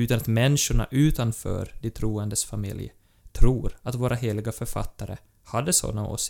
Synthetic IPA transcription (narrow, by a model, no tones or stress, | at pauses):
ʉt̪anat̪mɛnːɪʂʊɳa̰ʔʉ̟ːt̪anfœ̰ːɾd̪ɪt̪ʰɾuːənd̪əsfamɪ̰lj | t̪ʰɾuːɾat̪voːɾaɦeːlɪɡafœɾfa̰t̪ːaɾə̰ | had̪ːəsɔ̰nːao̰ːs